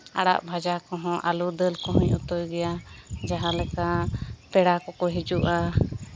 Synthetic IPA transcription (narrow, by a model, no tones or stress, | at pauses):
a̰ɽa̰ʔbʱad͡ʒakɔɦɔ̃ʔalud̪əlkɔɦɔ̃ɲut̪ɔjɡɛjad͡ʒaɦãlɛkapɛɽakɔkɔɦid͡ʒuʔa